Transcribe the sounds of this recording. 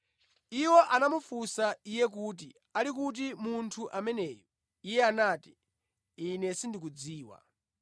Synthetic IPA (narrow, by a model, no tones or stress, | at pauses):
iwɔʔanamufusaijɛk̬ut̬i | alik̬ut̬imuntʰuʔamɛnɛːjɔ | ijɛanaːti | inɛsindik̬ud͡ziːwa̰